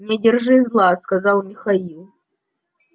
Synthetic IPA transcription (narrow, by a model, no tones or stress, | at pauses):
nʲɪdʲɪrʐɨzlˠaskɐzɑlˠmʲɪxɐilˠ